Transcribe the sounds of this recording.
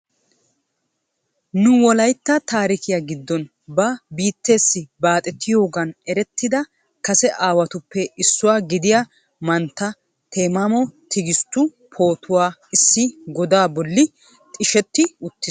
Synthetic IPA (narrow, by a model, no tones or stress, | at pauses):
nʊwɔlɐjt̪ːɐt̪aːɾɪkɪjaɡɪd̪ːɔn | bɐbiːt̪ːe̞ːsːɪbaːt̪ʼɛt̪ʰːɪjo̞ːɡɐnɛɾɛt̪ːɪd̪ɐ | kɐsɛʔaːwɐt̪ʊpːɛɪsːʊwaːɡɪd̪ɪja | mɐnt̪ːɐ | t̪ʰeːmɐmɔt̪ʰɪɡɪst̪ːʊ | pʰo̞ːt̪ʰʊwaːɪsːɪɡɔd̪aːbɔlːɪ | t̪ʼɪʃɛt̪ːɪʊt̪ːɪs